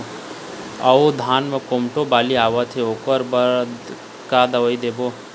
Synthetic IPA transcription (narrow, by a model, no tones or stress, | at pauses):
ɐod̪ʱaːnmekomʈobaːliaːwat̪ʰeoːkəɾbɐ | kad̪ɐʋəid̪eːboː